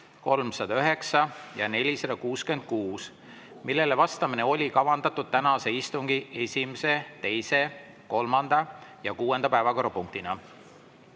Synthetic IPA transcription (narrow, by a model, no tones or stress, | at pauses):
ko̞lmsɑd̪̥ɑyɦe̞ksɑjɑne̞lʲised̪ɑkuːske̞nd̪̥̚kuːs | milːe̞levɑst̪ɑmine̞o̞lʲikɑvɑnd̪̥ɑt̪ːˑud̪̥̚t̪ænɑse̞ist̪uŋɡ̥ie̞sʲimese̞t̪e̞jse̞ | ko̞lmɑnd̪̥ɑjɑkuːe̞nd̪̥ɑpæevɑko̞ɾrɑpuŋk̚t̪inɑ